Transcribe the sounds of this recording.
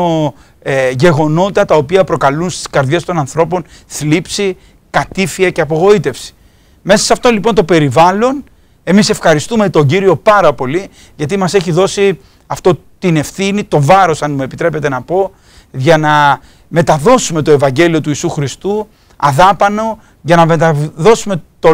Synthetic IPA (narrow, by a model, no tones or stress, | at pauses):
o | ʝe̞ɣo̞no̞t̪ɐt̪ɐo̞piɐpɾo̞kɐlunst̪i̥skɐɾðʝe̞st̪o̞nɐnθɾo̞po̞nθlipsi | kɐt̪ifiɐce̞ɐpo̞ɣo̞it̪e̞fsi̥ | me̞sɐsɐft̪o̞nlipo̞nt̪o̞pe̞ɾivɐlo̞n | e̞mise̞fxɐɾist̪ume̞t̪o̞ɲɟiɾio̞pɐɾɐpo̞li | ʝɐt̪̬imɐse̞çiðo̞si | ɐft̪o̞ | t̪ine̞fθinit̪o̞vɐɾo̞sɐnmue̞pit̪ɾe̞pe̞t̪e̞nɐpo̞ | ʝɐnɐ | me̞t̪ɐðo̞sume̞t̪o̞e̞vɐɲɟe̞lio̞t̪uiːsuxɾist̪u | ɐ̰ðɐpɐno̞ | ʝɐnɐmet̪ɐðo̞sume̞t̪o